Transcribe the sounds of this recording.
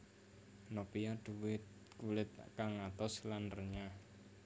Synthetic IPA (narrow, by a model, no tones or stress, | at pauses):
nopijad̪̥uwɪt̪̚ | kulɪt̪̚kaŋːat̪ɔslanrəɲa